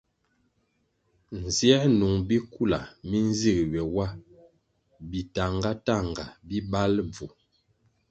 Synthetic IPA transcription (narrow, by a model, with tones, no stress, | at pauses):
n˨zjɛ˦nu˨ŋbi˦ku˦˨la˨mi˦n˦zi˦˨kɥɛ˨wa˦ | bi˨ta˨ŋɡa˦ta˦˨ŋɡa˨bi˦ba˦lb͡vu˨